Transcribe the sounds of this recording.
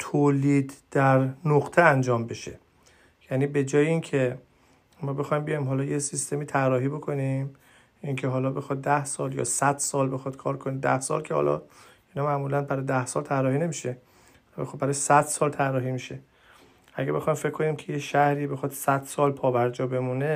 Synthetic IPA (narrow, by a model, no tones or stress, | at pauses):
t̪ʰoːliːd̪d̪̥æɾnoɣt̪ʰeænd͡ʒɒːmbe̞ʃḛ | jæniːbe̞d͡ʒɒːjeincʰe | mɒːbe̞xɒːjimbejɒjimɦɒːlɒːjesist̪emiːt̪ʰærːɒːɦiːbo̞kʰo̞nim | ʔiŋkʰeɦɒːlɒːbe̞xɒd̪̚d̪æhsɒːljɒ̰ːsæd̪̥sɒːlbe̞xɒd̪̥kʰɒːɾkʰonid̪æ̰hsɒ̰ːlcʰehɒ̰lɒ̰ | inɒmæʔmuːlænbæɾɒjd̪æhsɒːlt̪ʰærːɒːhiːne̞miʃe | hɒlbexobæɾɒjsæd̪̥sɒːlt̪ʰærːɒːɦiːmiʃe | ʔæɡæbe̞xɒːjmfekʰːo̞niːmcʰe̞jeʃæhɾiːbe̞xɒd̪̥sæd̪̥sɒːlpʰɒːbæɾd͡ʒɒːbe̞mune